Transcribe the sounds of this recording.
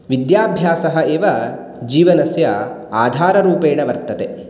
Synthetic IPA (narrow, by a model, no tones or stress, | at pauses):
ʋid̪jaːbʱjaːsɐɦɐeːʋɐ | d͡ʒiːʋɐnɐsjɐ | aːd̪ʱaːɾɐɾuːpeːɳɐʋɐɾt̪ɐt̪e